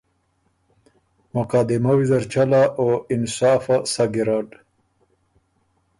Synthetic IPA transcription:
mʊqad̪ɪmawizaɾt͡ʃalaʔoɪnsaːfasaɡiɾaːɖ

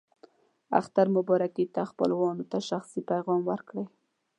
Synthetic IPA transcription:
a̰xt̪aɾmʊbɑɾakit̪axpə̰lwɑnot̪aʃaxsipajɣɑmwəɾkɽəj

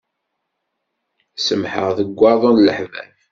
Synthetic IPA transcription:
səmħə̰ʁðəɡʷːɑɾˤðˤonləħvæ̰θ

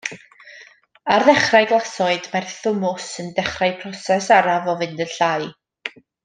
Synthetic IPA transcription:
arðɛχrajɡlˠasɔɨdmarθʊmʊsəndɛχrajpʰrɔsɛsaɾavɔvɨndənɬaɨ

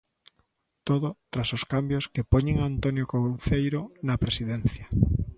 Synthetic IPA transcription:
t̪oðʊt̪ɾasoskambjoskepoɲeŋaːnt̪onjokowθejɾonɐpɾesiðenθja

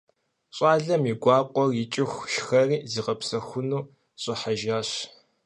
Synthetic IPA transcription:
ɕʼaːɮɐmiɡʷɑːqʷʼɔrjɪt͡ʃʼɪxʷʃxɐriːziːqɐpsɐxʷʊnuː | ɕʼɪħaʒaːɕ

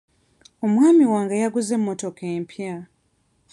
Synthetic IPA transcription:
o̞mwaːmiwaːŋɡajaɡuze̞mːoto̞keːmpja

